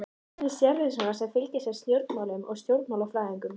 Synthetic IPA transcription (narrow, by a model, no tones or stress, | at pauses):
ɪsjɛɾvɪðsaɣasɛmfɪlc̪ɪsjɛɾ̥st̪jowɾt̪̚nmaːlʏmɔ̰ɣst̪jowɾt̪nmawlawfɾaːðiŋkʏm